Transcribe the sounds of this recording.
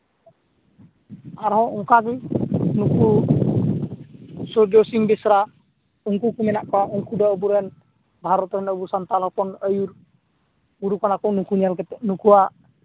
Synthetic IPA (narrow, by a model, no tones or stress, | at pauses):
aɾaɦɔuŋkakinuku | sɔd͡ʒɔsiŋbisɾa | uŋkukuminaʔkauŋkudaubuɾɛn | baɦaɾɔt̪ɔnabusant̪alapɔnəjur | uɾukanakɔnukunialkɛt̪ɛnukua